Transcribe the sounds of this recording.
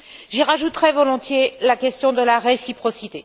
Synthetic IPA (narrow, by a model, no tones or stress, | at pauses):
ʒiʁaʒut̪ʁɛvɔlɔ̃t̪jelakʲɛst̪jɔ̃d̪əlaʁesipχɔsit̪e